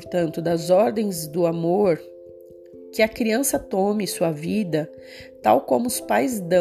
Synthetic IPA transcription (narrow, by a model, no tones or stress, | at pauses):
ɾt̪ɐ̃nt̪ʊd̪ɐzɔɾd̪ẽj̃zd̪ʊamoɾ | kɪɐkɾiɐ̃sɐt̪omɪsuɐvid̪ɐ | t̪a̰wkõmʊʊspajzd̪ɐ̃